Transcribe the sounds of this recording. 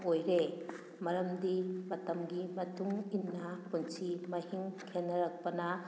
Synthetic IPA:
ojɾe | mɐɾɐmdimɐtɐmɡimɐtʰuŋinːɐpunsimɐhiŋkʰenːɐɾɐk̚pɐnɐ

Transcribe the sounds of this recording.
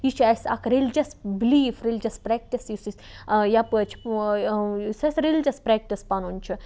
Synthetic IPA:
jit͡ʃʰɐsɐkɾilʲd͡ʒɐsbiliːfɾilʲd͡ʒɐspɾɛːk̚ʈisisis | japət͡ʃʰi̥ | sɐsʲɾilʲd͡ʒɐspɾɛːk̚ʈispanunʲt͡ʃʰi

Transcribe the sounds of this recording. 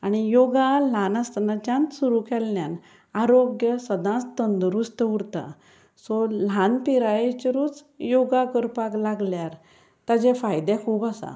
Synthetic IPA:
aɽ̃ijoɡal̤anast̪nat͡ɕjãnsuɾukɛlːjan | aɾoɡjəsəd̪ʱãt͡st̪ənd̪ɾust̪uɽt̪a̰ | sɔlanpiɾajet͡ɕəɾuːt͡s | joɡakəɾpaklaɡljaɾ | t̪ad͡ʑɛ̃fajd̪ɛ̃kʰuːpasa̰

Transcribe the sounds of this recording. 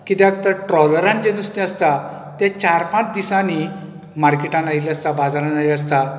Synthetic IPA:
kit̪ɛ̃ak̚t̪aʈɾɔləɾãnd͡ʑenust̪ɛ̃əst̪a | t̪ɛ̃t͡ɕaɾpãt͡sd̪isani | maɾkeʈãnajləst̪abad͡zaɾãnailəs̬t̪a

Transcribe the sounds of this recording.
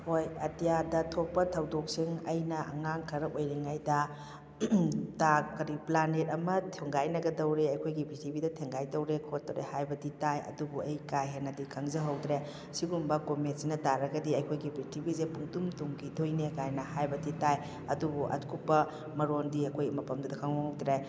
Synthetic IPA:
hojɐtijadɐtʰopːɐtʰɐwdok̚siŋɐjnɐʔɐ̰ŋaŋkʰɐɾɐojɾiŋajdɐ | takɐɾiplanet̚ɐmɐtʰeŋɡajnɐɡɐdɐwɾeɐjkʰojɡibitibidɐtʰeŋɡajdɐwɾekʰot̚ːɾḛhajbɐditajɐ̰dubuɐjkajɦenːɐdikʰɐŋzɐɦɐwdɾe | siɡumbɐkomet̚sinɐtaɾɐɡɐdiɐjkʰojɡibitʰibizepuŋtumtuŋkʰidojnekajnɐhajbɐditaj | ɐdubuʔɐ̰tkʰupːɐ | mɐɾondiɐkʰojmɐpɐmdudɐkʰaŋwd̪ɾe

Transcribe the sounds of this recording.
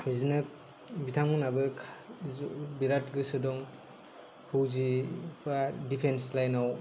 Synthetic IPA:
bizinɯ | bitʰamɯnabɯkʰ | biɾat̚ɡɯsɯdɔŋ | pʰɯwzibadipʰenslajnaw

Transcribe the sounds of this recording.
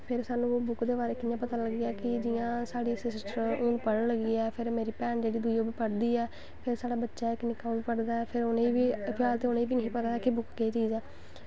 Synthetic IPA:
pʰɪɾsaːnũːoːbʊkd̪eːbaːɾeːkɪnjãːpət̪aːləɡijaːkɪd͡ʒɪjãːsaːɽiːsɪsʈəɾoːnũpəɽəɳləɡiːɛːpʰɪɾmeːɾiːpɛːnd͡ʒeːɽiːd̪ujõːbiːpəɽd̪iːɛː | pʰɪɾsaːɽaːbətːʃaːɪkːnɪkaːbiːpəɽd̪aːɛːpʰɪɾoneːʋiːpʰjaːlt̪eːʊnẽːʋiːnəɦĩːpət̪aːɛːkɪbʊkɡeːt͡ʃiːzɛː

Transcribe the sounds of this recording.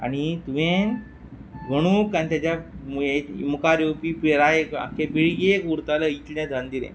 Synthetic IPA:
a̰ɽ̃it̪uʋẽ | ɡʱəɽ̃ũkanit̪jat͡ɕaemukaɾjopipeɾajeka̰kẽbiɭɡekuɾt̪aləit̪ljãd̪ʱand̪ilḛ̃

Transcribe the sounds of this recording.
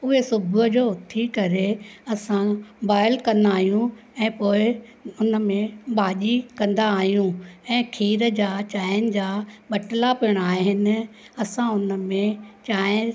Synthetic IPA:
ʊɦesʊbʱʊəd͡ʑoːʊt̪ʰikɐɾeɐsãbaːɪəlkɐ̃nd̪aːɦijũ | ɛ̃ːpoːɪ | ʊnə̆mẽɓaːʄikɐ̃nd̪aːɦijũɛ̃ːkʰiːɾəd͡ʑaːt͡ɕaːɪənɪ̆d͡ʑaːɓɐʈlapiəɽ̃aːɦeɦɪnɪ̆ | ɐsãʊnəmẽt͡ɕaːɪ̃

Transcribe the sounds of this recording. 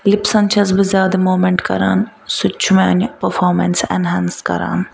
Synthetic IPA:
lipsɐnt͡ʃʰɐzbɨzʲjaːd̪ɐmoːmeɳʈkɐ̰ɾa̰ːn | sʊt͡ʃʰumeɐnpɐɾfʰoːɾmɐnsɛ̰nɦɛnskɐ̰ɾa̰ːn

